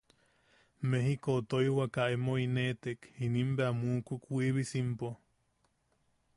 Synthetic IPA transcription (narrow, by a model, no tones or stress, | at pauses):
meɦikoːt̪ojwakaemoinet̪ekhinimbeamuːkukʷiβisimpo